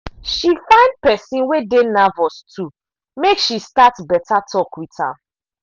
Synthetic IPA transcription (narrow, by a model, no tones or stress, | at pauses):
ʃifãɪ̃nd̚pɛsĩnwedenavɔstʰu | mekʃistatbɛtatʰɔkwitha̰